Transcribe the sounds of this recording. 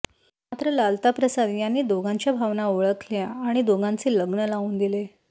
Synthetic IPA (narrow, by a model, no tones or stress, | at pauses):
mat̪ɾəlalt̪apɾəsad̪janːiːd̪oɡʱãɲt͡ɕjabʱaʋnaoɭəkljaːɽ̃id̪oɡʱãnt͡seləɡnəlauːnd̪ile